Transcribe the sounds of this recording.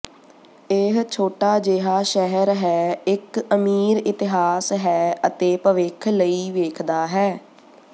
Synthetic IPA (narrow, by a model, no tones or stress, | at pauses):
eɦt͡ʃʰoːʈaːd͡ʒeːɦaːʃɛɦəɾɦɛːɪkəmiːɾɪt̪ɪɦaːsɦɛːət̪eːpəʋekʰləiːʋeːkʰd̪aːɦɛː